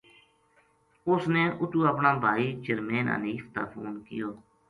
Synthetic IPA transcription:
ʊsneːʔʊt̪uːəpnãːbʱaːiːt͡ʃəɾmeːnə̰niːft̪aːfʰo̰ːnkɪ̰joː

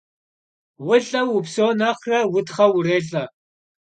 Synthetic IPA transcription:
wʊɮʼɐwʊpsoːnɐχrɐwʊtχɐwʊreːɮʼɐ

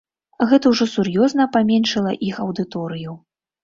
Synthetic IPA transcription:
ɣɛt̪ɐwʐɔsurjɔznɐpamʲɛnʂɐlˠɐʔixɐwd̪ɨt̪ɔɾɨju

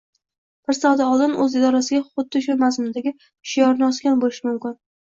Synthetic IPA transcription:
b̥ɪɾsawd̪aɒlˠd̪ɪnɵzɪd̪ɒɾasɪɡʲaχʊd̪ːɪʃʊmas̬mʊd̪aɡʲɪ | ʃijɒɾnɒskʲanbolɪʃɪmʊmkʲɪn

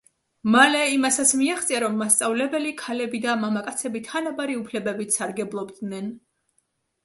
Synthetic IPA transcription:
malɛimat̪sat̪sʰmiaχt̪sʼiaɾɔmːast̪sʼavlɛbɛlikʰalɛbid̪amamakʼat̪sʰɛbit̪ʰanabaɾiupʰlɛbɛbit̪saɾɡɛblˠɔbd̪nɛn

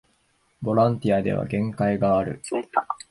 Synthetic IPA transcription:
bo̞ɾãnt̪ʲiad̪e̞̰β̞a̰ɡẽ̞ŋkaiɡaːɾɯ̟̰

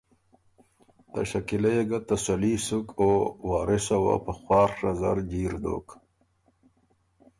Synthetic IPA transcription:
t̪a̰ɕakilajeɡat̪asalisukowaːɾɪsawa̰pəxwɑːɾːazaɾd͡ʑiːɾd̪o̰ːk

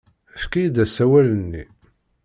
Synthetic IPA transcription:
æfkijid̪æsæwælənːḭ

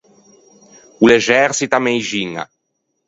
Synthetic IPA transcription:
uleʒɛɾsit̪amejʒiŋa̰

